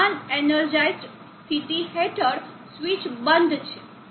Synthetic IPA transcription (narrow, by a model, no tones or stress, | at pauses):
anenəɾd͡ʒajsʈ | st̪ʰit̪iɦeʈʰəɾ | sʋit͡ʃbənd̪ʱt͡ʃʰe